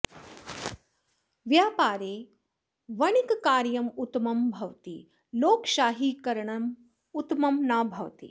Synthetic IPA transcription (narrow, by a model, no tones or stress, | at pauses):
ʋjaːpaːɾeː | ʋɐɳikkaːɾjɐmut̪mɐmbʱɐʋt̪ḭ | loːkʃaːɦiːkɐɾɳɐm | ut̪mɐmnaːbʱɐʋt̪ḭ